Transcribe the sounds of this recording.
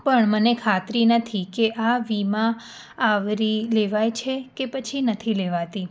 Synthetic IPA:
pəɳmənekʰat̪ɾinət̪ʰikeʔaʋimãː | ʋɾileʋajt͡ʃʰekepət͡ʃʰinət̪ʰileʋat̪i

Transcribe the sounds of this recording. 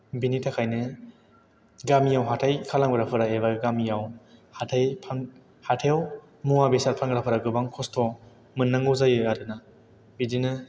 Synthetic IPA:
binitʰakʰajnɯ | ɡamijawɦatʰajkʰalaŋbɯɾapʰɯɾaeβaɡamijawhatʰajpʰaŋ | hatʰew | muabesaɾpʰaŋɡɾapʰɯɾaɡɯbaŋkʰɔstʰɔ | mɯnːaŋɯzajɯadɯna | bidinɯ

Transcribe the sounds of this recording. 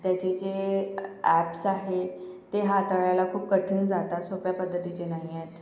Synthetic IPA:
t̪jat͡ɕet͡se | æpsaɦet̪eɦat̪əɭjalakʰuːp̚kəʈʰiːnd͡zat̪asopjapəd̪ʱːət̪it͡ɕenaɦijet̪

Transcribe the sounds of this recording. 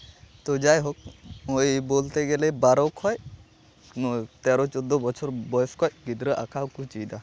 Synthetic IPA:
t̪od͡ʒajɦɔk̚mojbolt̪eɡɛlɛbaɾɔkʰɔj | t̪ɛɾɔt͡ʃɔd̪ɔbɔt͡ʃʰɔɾbɔjskʰɔjɡid̪ɾəʔa̰kʰawkut͡ʃijd̪a

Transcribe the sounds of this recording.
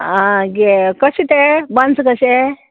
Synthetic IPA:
ãɡekəɕit̪ebənt͡skəɕe

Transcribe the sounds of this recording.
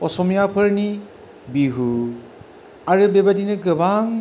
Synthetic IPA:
ɔsɔmijapʰɯɹni | biɦu | aɹɯbebadinɯɡɯbaŋ

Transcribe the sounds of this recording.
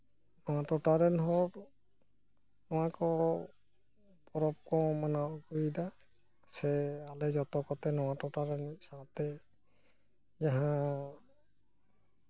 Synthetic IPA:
nɔwatɔtaɾɛnɦɔɾ | nɔwakɔɔ | pɔɾɔp̚kɔ̃manaukuida | sɛalɛzɔtɔkɔtɛnɔwatɔtaɾɛnsatɛ | zaɦã

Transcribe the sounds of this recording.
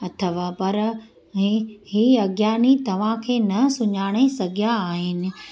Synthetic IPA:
ɐt̪ʰəʋapɐɾ | ɦhiːɐɡjaːnit̪ɐʋ̤ãkʰeːnɐsʊɲaːɽ̃esɐɡʱjaːɦɪnɪ̆

